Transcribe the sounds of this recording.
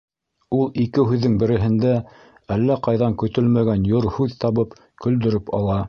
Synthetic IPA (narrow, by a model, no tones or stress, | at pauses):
ulˠikɘhʉðːɘŋbɘ̆ɾɘ̆ɦɘ̆nd̪æ | ælːæqɑjðɑŋkɵ̆t̪ɵlmæɡænjoɾhʉðt̪ɑβɤp | kɵ̆ld̪ɵ̆ɾɘpɑ̰lˠɑ